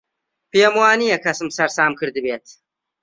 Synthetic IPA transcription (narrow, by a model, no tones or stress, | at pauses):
peeːmwaːnijɐkʰɐsɨmsɐɾsaːmkʰɨɾd̪ɨbeːt̪